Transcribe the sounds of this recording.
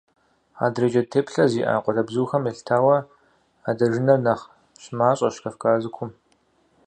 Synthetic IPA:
a̰ːdrɐd͡ʒɐtʰeːpɬɐziːʔa̰ːqʷʼɔɮɐbzuːxɐmɛɬtʰaːwɐ | aːdɐʒɪnɐrnɐχ | ɕmaːɕʼɐʃkʰɐfkʼaːzɨkʷʰʊm

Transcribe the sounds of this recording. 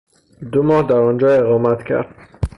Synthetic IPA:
d̪omɒːhd̪æɾɒnd͡ʒɒːeɣɒːmæt̪cʲʰæ̰ɾd̪̥̚

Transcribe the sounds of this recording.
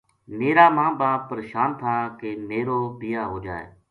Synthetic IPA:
meːɾaːmãːbaːbpəɾeʃaːnt̪ʰaːkemeːɾoːbɪjaːɦoːd͡ʒaːḛː

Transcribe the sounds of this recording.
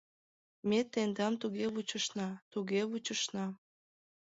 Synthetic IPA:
met̪ːend̪ɑmt̪uɣeβut͡ɕəʃnɑt̪uɣeβut͡ɕəʃnɑ

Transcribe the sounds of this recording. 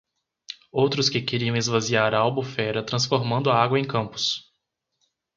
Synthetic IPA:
owt̪ɾʊskɪkeɾiɐ̃w̃ɪzvaziaɾɐalbufɛɾɐt̪ɾɐ̃sfoɾmɐ̃nd̪ʊɐaɡwɐẽj̃kɐ̃mpʊ̥s

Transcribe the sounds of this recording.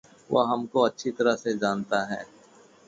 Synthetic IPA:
ʋo̰ɦɐmkoɐtːʃʰit̪ɐɾased͡ʒaːnt̪aɦɛ̰ː

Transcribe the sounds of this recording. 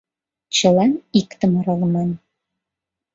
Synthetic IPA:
t͡ɕɤ̆lɑnikt̪ə̆mɤɾɤlmɑn

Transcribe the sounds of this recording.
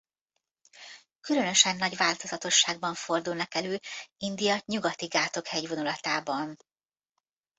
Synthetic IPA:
kylø̞nø̞ʃɛnːɒɟʋaːlt̪o̞zɒt̪o̞ʃːaːɡ̚bɒɱfo̞rd̪ulnɒkɛløːind̪ijɒɲuɡɒt̪iɡaːt̪o̞khɛɟvo̞nulɒt̪aːbɒn

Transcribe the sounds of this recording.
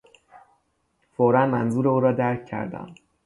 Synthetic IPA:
foɾænmænzuːɾeuːɾɒːd̪æɾcʰcʰːæ̰ɾd̪æ̰m

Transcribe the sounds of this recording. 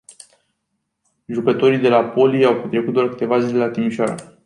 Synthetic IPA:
ʒukət̪o̞ɾijd̪e̞lapo̞lijawpet̪ɾekut̪d̪oarkɨ̥t̪e̞vazile̞lat̪imiʃoaɾə̰

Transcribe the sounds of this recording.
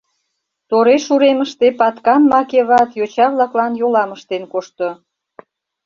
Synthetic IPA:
t̪oɾeʃuɾeməʃt̪epɑt̪kɑmːɑkeβɑt̪jot͡ɕɑβlɑklɑnjolɑməʃt̪enkoʃt̪o

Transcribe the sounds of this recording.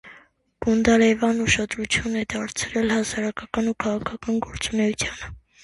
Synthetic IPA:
ɡ̥und̪ɑlɛvɑnuʃɑd̪ɾut͡sʰjunɛd̪ɑɾt͡sʰɾɛlhɑsɑɾɑkʰɑkɑnukʰɑʁɑkʰɑkɑnɡɔɾt͡sunɛut͡sʰjɑnə

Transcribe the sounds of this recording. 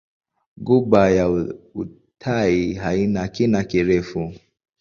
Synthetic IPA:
ɡuɓajau | tʰaiɦainakinakiɾɛfu

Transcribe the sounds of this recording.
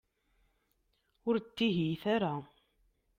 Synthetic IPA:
ʊɾt̪ːiɦjθaɾa

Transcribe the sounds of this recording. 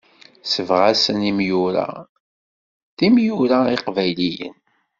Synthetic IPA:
səvʁasənimjuɾa̰ | θimjuɾaiqvæjlijə̰n

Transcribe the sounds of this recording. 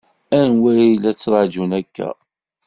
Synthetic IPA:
ænwæjijlæt͡sːɾˤɑʕd͡ʒunækʰːæ̰

